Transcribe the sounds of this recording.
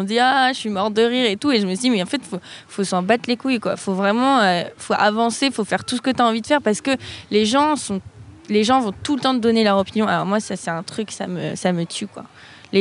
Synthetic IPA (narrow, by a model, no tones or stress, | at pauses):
ɔ̃d̪iaʃəɥimɔʁd̪əʁiʁet̪ueʒəməsyd̪imɛɑ̃fɛt̪fofosɑ̃bat̪lekujkwa̰fovʁɛmɑ̃øfoʔavɑ̃sefofɛʁt̪usə̥kət̪yaɑ̃vid̪əfɛʁpaʁsə̥kəleʒɑ̃sɔ̃leʒɑ̃vɔ̃t̪ulət̪ɑ̃d̪əd̪ɔnelœʁɔpinjɔ̃alɔʁmwasasɛt̪ɛ̃t̪χyksa̰mə̰samət̪ʰykwa̰ | le